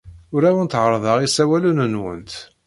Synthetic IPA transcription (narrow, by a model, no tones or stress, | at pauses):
ʊɾæwənt̪ʕəɾˤðˤɑʁisæwælunənwə̰nt̪